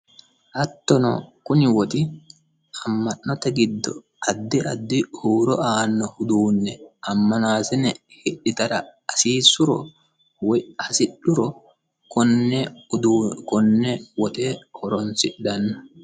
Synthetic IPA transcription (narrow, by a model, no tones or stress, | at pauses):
hɐt̪ːɔnɔ̰kʊnɪwɔt̪ɪ | ɐmːɐnːɔt̪ɐɡɪd̪ːɔ | ɐd̪ːɪɐd̪ːɪhuːɾɔʔaːnːɔhʊd̪uːnːɛʔɐmːɐnaːsɛnɛhɪɗːɪt̪ɐɾɐɐsiːsʊɾɔ̰ | wɐsɪɗːʊɾɔ | kɔnːɛ | kɔnːɛwɔt̪eːhɔɾɔnsɪɗːɐnːɐ